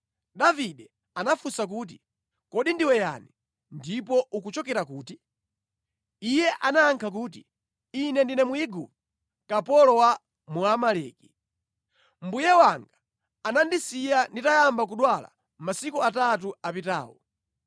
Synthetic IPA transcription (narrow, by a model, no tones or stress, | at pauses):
ɗaviɗɛ | anafusak̬uːt̬i̥ | kɔɗindiwɛja̰ni | ndipɔʔukut͡ʃɔkɛɾakuːti | ijɛʔanaːŋkʰak̬uːt̬i | inɛndinɛmuiɡṵp | kapɔlɔwa | muamalɛːki̥ | m̩bujɛwaŋɡaː | nandisijanditajambak̬uɗwala̰ | masikuatat̬uapita̰ːwɔ̰